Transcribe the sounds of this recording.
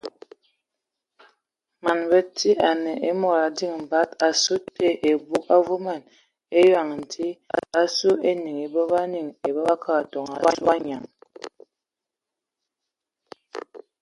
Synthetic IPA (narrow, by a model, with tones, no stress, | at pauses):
ma˨nbə˦ti˦a˨nɛ˨ʔe˦mɔ˨ɾa˨di˦˨ŋm̩˨ba˦ta˨su˦te˦ʔe˨bu˦ka˦vu˦ma˨n | e˦ja˨ŋ˨n̩˨tʰi˦a˦su˦e˦ni˨ŋe˨bə˦ba˦ni˨ŋe˨bə˦ba˦ka˦˨tɔ˨ŋa˨˦a˦ɲa˨ŋ